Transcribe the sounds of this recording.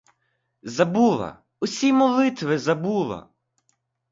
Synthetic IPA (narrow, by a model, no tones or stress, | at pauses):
zɐbulˠɐ̰ | ʊsʲimɔlˠɪt̪ʋɪzɐbulˠɐ̰